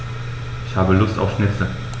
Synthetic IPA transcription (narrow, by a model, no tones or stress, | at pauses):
ʔɪçhaːbəlʊsta̰ʊfʃnɪt͡sə